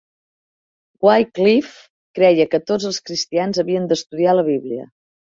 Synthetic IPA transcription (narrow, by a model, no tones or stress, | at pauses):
ɡwajklif | kɾɛjəkət̪od͡zəlˠskɾist̪ianzəβiənd̪əst̪uðialəβiβliə̰